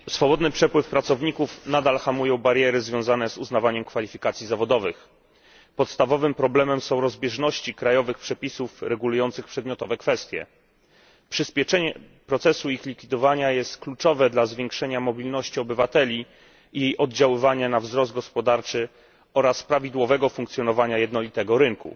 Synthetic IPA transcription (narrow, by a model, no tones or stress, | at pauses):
sfɔbɔd̪nɘpʂɛpwɘfpɾat̪sɔvɲikufnad̪alxamujɔ̃w̃baɾjɛɾɘzvʲjɔ̃w̃zanɛzuznavaɲɛmkfalʲifʲikat̪sʲizavɔd̪ɔvɘx | pɔt̪st̪avɔvɘmpɾɔblɛmɛmsɔ̃w̃ɾɔzbʲjɛʐnɔɕt͡ɕikɾajɔvɘxpʂɛpʲisufɾɛɡulujɔnt̪sɘxpʂɛd̪mʲjɔt̪ɔvɛkfɛst̪ʲjɛ̰ | pʂɘspʲjɛt͡ʂɛɲɛpɾɔt̪sɛsuixlʲikfʲid̪ɔvaɲajɛst̪klut͡ʂɔvɛd̪lazvʲjeŋkʂɛɲamɔbʲilnɔɕt͡ɕiɔbɘvat̪ɛlʲiː | jejʔɔd̪d͡ʑawɘvaɲanavzɾɔst̪̚ɡɔspɔd̪aɾt͡ʂɘ | ɔɾaspɾavʲid̪wɔvɛɡɔfuŋk̚t̪sjɔnɔvaɲajɛd̪nɔlʲit̪ɛɡɔɾɘŋkṵ